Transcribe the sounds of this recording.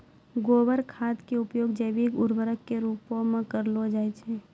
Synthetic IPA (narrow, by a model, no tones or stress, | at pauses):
ɡoːʋəɾkʰaːd̪keʊpjoːɡd͡ʒəʋiːɡʊɾʋəɾəkːeɾuːpõmẽkəɾlod͡ʒaːjt͡ʃʰe